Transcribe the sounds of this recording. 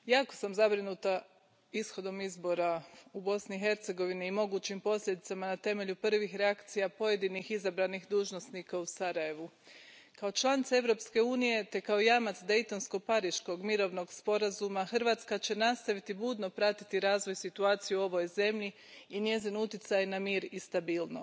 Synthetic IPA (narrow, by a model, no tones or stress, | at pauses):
jaːko̥samzabɾinuːt̪a | isxo̞d̪o̞mizbo̞ɾaubo̞sniixe̞ɾt̪se̞ɡo̞ʋiniːmo̞ɡuːt͡ɕimpo̞slʎʲe̞d̪it̪samanat̪e̞me̞ʎupr̩ʋixɾeakt̪sijapo̞je̞d̪inixizabɾanixd̪uːʒno̞snikausaɾaje̞ʋu | kao̞t͡ʃlˠanit̪sae̞ʋɾo̞pske̞uːnije̞t̪e̞kaojamat̪sd̪e̞jt̪o̞nsko̞paɾiʃko̞ɡmiɾo̞ʋno̞ɡspo̞ɾazumaxr̩ʋaːt̪skat͡ɕe̞nast̪aʋit̪ibuːd̪no̞pɾat̪it̪iɾaːzʋo̞jsit̪uaːt̪sijuo̞ʋo̞jze̞mʎiː | nje̞zinut̪it̪sajnamiːɾist̪abiːlˠno